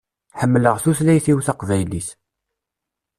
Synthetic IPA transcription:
ħəmːləʁθuθlæjθiwθaqvæjliθ

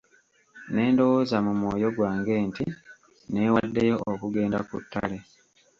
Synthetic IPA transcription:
ne̞ːndo̞woːzamumwo̞ːjo̞ɡwaːŋɡe̞ːnti | ne̞ːwadːe̞jo̞okuɡe̞ːndakṵtːa̰le̞

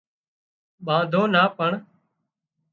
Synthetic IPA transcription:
ɓãːd̪ʱoːnaːpəɳ

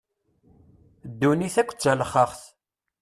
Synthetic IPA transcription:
d̪ːuniθækʷːt͡sːælχəχθ

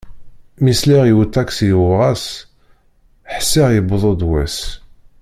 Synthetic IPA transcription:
misliʁiwət̪ːæksijuwʁɑs | ħsːiʁjəbðˤod̪wæs

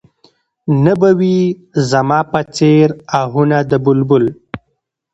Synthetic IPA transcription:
nabawi | zamɑpat͡seɾaɦunad̪əbʊlbʊl

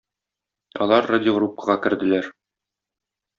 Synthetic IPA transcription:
ɒ̰lˠɑɾːadʲɪoɡɾup̚kə̥ʁɑkɘ̆ɾd̪ɘ̆læɾ

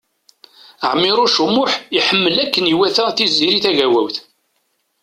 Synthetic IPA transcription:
əʕmːɪɾˤuʃumːʊħiħəmːəlækːəniwæθæθizːiɾiθæʝæwæwθ

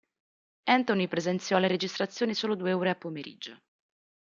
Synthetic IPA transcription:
ɛnt̪onipɾezent̪sjɔlːeɾed͡ʒist̪ɾat̪sːjoːnisoːlod̪ueuːɾeapːomeɾʔḭd͡ʒo

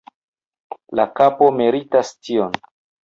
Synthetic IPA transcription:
lakapo̞miɾitastio̞n

